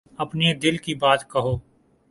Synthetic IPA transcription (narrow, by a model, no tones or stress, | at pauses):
ɐpned̪ɪlkibaːt̪kɐɦoː